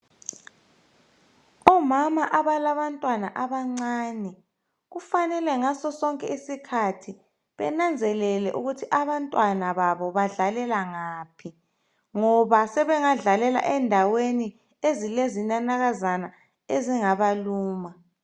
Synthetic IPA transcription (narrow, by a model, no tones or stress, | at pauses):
ɔmamaʔaβalaβantʼwanaʔaβaŋ͡ǀaːnɛ | ɣufanɛlɛŋasɔsɔŋkʼɛisikʰatʰi | βɛ̰nand͡zʱɛlɛlɛʔuɣutʰiʔaβantʼwanaβaβɔβaɮalɛlaŋaːpʰi | ŋɔβasɛβɛŋaɮalɛla̰ʔɛndʱaweni | ezilezinanaɣazana | eziŋaβaluːma